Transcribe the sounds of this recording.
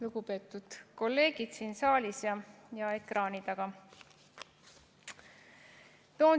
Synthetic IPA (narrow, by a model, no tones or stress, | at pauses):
luɡ̥upe̞ːt̪ːˑud̪̥ko̞lːe̞ːɡ̥id̪̥siːnsɑːlʲisjɑjɑe̞krʔɑːnid̪̥ɑɡ̥ɑ | t̪o̞ːn